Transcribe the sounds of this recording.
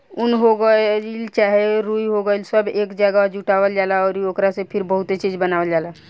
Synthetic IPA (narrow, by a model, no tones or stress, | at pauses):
unɦoɡəlt͡ʃaɦeɾuiɦoɡəelsəbeːkd͡ʒəɡad͡ʒuʈawəld͡ʒalaɔːɾiokɾasepʰiɾbəɦut̪et͡ʃid͡ʒbənawəld͡ʒala